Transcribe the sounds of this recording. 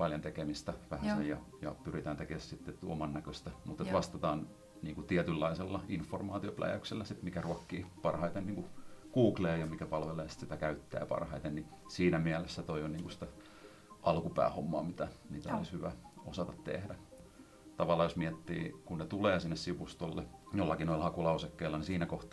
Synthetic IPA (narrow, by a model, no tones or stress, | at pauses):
pɑljont̪ekemist̪æʋæhæsejjɑjɑ̰pyrit̪æːnt̪ekessit̪ːett̪uomɑnːækøst̪æmut̪et̪ʋɑst̪ɑt̪ɑːn | niːŋkut̪iɛt̪ylːɑiselːɑinfːormɑːt̪ioplæ̰jæ̰ykselːæsit̪mikæruɑkːiːpɑrhɑit̪enniːŋkukuːkleːjɑmikæpɑlʋeleːsi̥t̪sit̪ækæyt̪ːæ̰ːpɑ̰rhɑit̪enni | siːnæmiælesːæt̪oioniːŋkusi̥t̪æ | ʔɑlkupæ̰ːhomːɑ̰ːmit̪æniːt̪æo̰lishyʋæ̰osɑt̪ɑt̪t̪ḛhdæ | t̪ɑʋɑlːɑːjosmiɛt̪ːḭːkunnet̪uleːsinːessiʋust̪olːejolːɑkinolhɑkulɑusekːeilːɑnisiːnækoht̪ː